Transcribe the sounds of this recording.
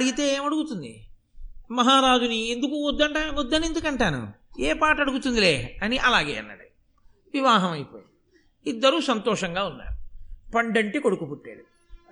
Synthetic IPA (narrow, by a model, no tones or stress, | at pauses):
ɐɽiɡit̪e̞ːeːmɐɽuɡut̪und̪ḭ | mɐɦaːɾaːd͡ʒuniend̪ukuɔd̪ːɐɳʈaːɔd̪ːɐnend̪ukɐɳʈaːnṵ | eːpaːʈɐɽuɡut̪und̪ile̞ːɐniʔɐlaːɡḛːɐ̰nːɐ̰ɽi | ʋiʋaːɦɐmɐjipo̰ːji | i | iid̪ːɐɾuːsɐnt̪ɔːʂɐŋɡaːunːa̰ːɾupɐɳɖɐɳʈikoɽukupuʈːḛːɽu